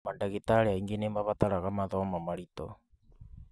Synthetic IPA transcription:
mandaɣitaɾeaiŋɡenembaβataɾaɣamaðɔmamaɾitɔ̰

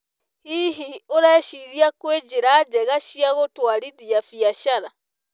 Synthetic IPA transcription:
hiɦioɾɛːʃiɾjakwed͡ʒeɾaːd͡ʒɛɣaʃjaɣotwaɾiðiafjaʃaɾa

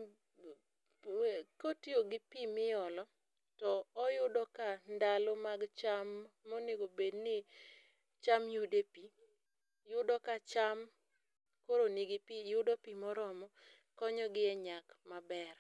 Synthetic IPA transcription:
kotioɡɪpimɪɔlɔ | tɔːjʊdɔkandalomaɡt͡ʃamːɔnɪɡobednɪ | t͡ʃamjudepi | jʊdɔkat͡ʃam | koɾonɪɡɪpijʊdɔpimɔɾɔmɔ | kɔɲɔɡɪɛɲakmabɛr

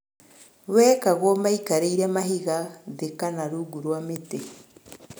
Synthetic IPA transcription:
wekaɣomaikaɾeiɾemaɦiɣaðekanaɾuɡuɾwamete

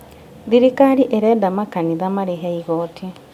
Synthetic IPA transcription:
ðiɾikaɾiʔeɾɛdamakaniðamaɾiɦeiɣoːtʰi

